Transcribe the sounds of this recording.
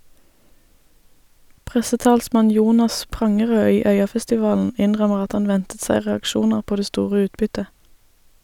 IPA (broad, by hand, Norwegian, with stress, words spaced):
ˈpʁɛsəˌtɑːlsmɑn ˈjuːnɑs ˈpʁɑŋəʁøː ˈiː ˈœʏɑfɛstɪˌʋɑːln̩ ˈɪnʁœməʁ ˈɑt ˈhɑn ˈʋɛntət ˈsæɪ ʁɛɑkˈʃuːnəʁ ˈpoː ˈdeː ˈstuːʁə ˈʉːtbʏtə